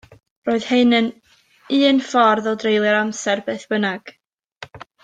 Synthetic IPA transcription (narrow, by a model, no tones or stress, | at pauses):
roːɨð̥heɨnən | ɨːnfɔrðɔdrejlˠɨɾamsɛrbeːθb̥ənaɡ̥